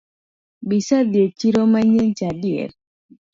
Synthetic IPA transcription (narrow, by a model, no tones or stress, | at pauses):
bisadjet͡ʃiɾomaɲent͡ʃadɪɛ̰ɾ